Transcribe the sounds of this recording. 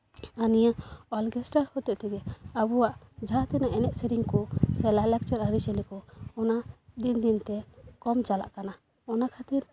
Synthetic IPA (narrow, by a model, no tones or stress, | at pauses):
anijaɔlɡɛsʈaɾhɔt̪ɛʔt̪ɛɡɛabuwaʔd͡ʒʱat̪ɛnaʔɛnɛʔsɛɾiŋkɔsɛlalɛk̚t͡ʃaɾaɾisɛlikɔɔnad̪ind̪int̪ɛkɔmt͡ʃala̰ʔkana | ɔnakʰat̪iɾ